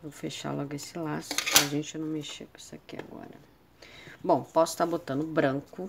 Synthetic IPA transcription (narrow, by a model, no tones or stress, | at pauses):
võfeʃa̰lɔɡʊesɪlasʊ̥aʒẽnt͡ʃɪnɐ̃w̃meʃepisakia̰ɡɔ̰ɾɐ | bõw̃pɔsʊ̥t̪aɾbot̪ɐ̃nd̪ʊbɾɐ̃ŋkʊ